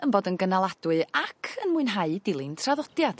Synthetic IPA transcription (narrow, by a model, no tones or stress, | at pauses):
ənboːdənɡənalˠad̥wɨakʰənmuɨnɦaɨdɪlˠɨntʰraðɔd̥jad̥